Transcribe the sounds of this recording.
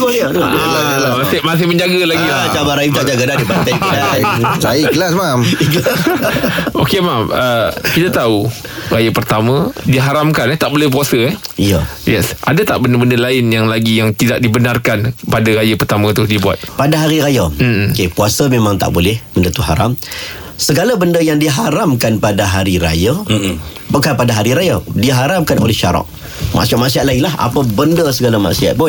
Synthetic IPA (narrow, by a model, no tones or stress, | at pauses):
la | masɪhmas̬ɪhməɲd͡ʒaɡalaɡiat͡ʃabaɾait͡ʃad͡ʒaɡədadibat̪alasaiklasmamk | okemaməkit̪at̪au | rajapərt̪amə̃diɦaɾamkanɛt̪aʔ̚bolɛhp̬uasəɛijəjɛsʔadat̪aʔbəndəbəndəlaɪnjaŋlaɡijaŋt̪idaʔ̚dibənarkanpadaɾajapərt̪amə̃t̪ʊhdibua̰t̪̚padaɦaɾiɾajakepuasəmemãŋt̪a̰ʔbolɛhb̥əndət̪uɦa̰ɾa̰m | səɡalabəndəjaŋdiɦaɾamkanpadaɦaɾiɾa̰ja | bəkapadaɦaɾiɾajadiɦaɾamkanʔo̰lɛhʃaɾɔ̰ʔ | ma̰ʔsiaʔ̪̚maʔsiat̪̚laɪŋlaɦa̰pəbəndəsəɡalama̰ʔsia̰t̪̚bɔ